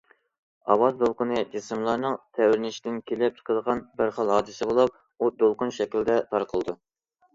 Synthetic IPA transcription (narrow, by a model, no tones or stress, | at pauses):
ɑwɑzd̪olˠqənɨd͡ʒesɨmlˠɑɾnɨŋt̪ʰɛwɾɪnɪʃid̪ɪnkʲʰelɪp̚t͡ʃʰqʰəlˠəʁɑnbɪɾχɑlˠhɑːd̪ɨsɪbolˠup̚ | ud̪olˠqʊnʃɛkʲilɪd̪ɛt̪ʰɑɾqʰəlˠɨd̪u